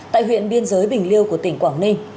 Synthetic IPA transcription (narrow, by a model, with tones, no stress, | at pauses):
t̪a̰ː˧˨jɦwḭ˧˨ənɓi˧ənzəː˨˦jɓï˨˩ŋ̟li˧əwku˧˩ət̪ï˧˩ŋ̟kwaː˧˩ŋnï˧ŋ̟